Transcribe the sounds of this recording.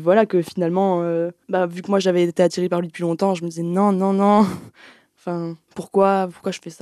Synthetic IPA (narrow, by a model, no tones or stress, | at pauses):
vwalakəfinalmɑ̃øbavykəmwaʒavɛːt̪eat̪iʁepaʁlɥid̪əpʰɥilɔ̃t̪ɑ̃ʒəməd̪izɛnɔ̃nɔ̃nɔ̃ | ɑ̃fɛ̃puʁkwapuʁ̥kwaʒə̥fɛsa